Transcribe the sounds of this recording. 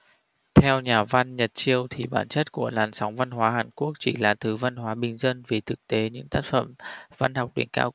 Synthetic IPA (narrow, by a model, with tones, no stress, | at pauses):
t̪ʰɛ˧wɲaː˨˩va˧nɲə˨˩t̚t͡ɕi˧əwt̪ʰi˨˩ɓa̰ː˧˩nt͡ɕə˦˥t̚ku˧˩əlaː˨˩nsɔ˨˦wŋ͡mva˧nɦwaː˨˦haː˨˩nku˦˥ək̚t͡ɕi˧˩laː˨˩t̪ʰɨ˨˦va˧nɦwaː˨˦ɓï˨˩ŋ̟zə˧nvi˨˩t̪ʰɨ˨˩k̚t̪e˨˦ɲɨ̰˧˥ŋt̪aː˦˥t̚fə̰˧˩mva˧nha˨˩wk͡p̚ɗḭ˨˩ŋka̰ː˧w